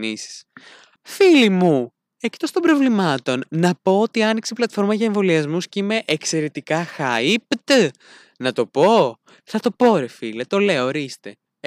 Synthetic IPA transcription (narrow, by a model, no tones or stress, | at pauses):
nisi̥s | filimu | ect̪ost̪obɾo̞vlimɐt̪o̞nnɐpo̞ot̪iɐnikseplɐt̪fo̞ɾmɐʝɐeɱvo̞liɐzmusceime̞ʔekse̞ɾe̞t̪ikɐxɐipt̪ | nɐt̪o̞po̞ | θɐt̪o̞po̞ɾefilɐt̪o̞le̞oːɾist̪e̞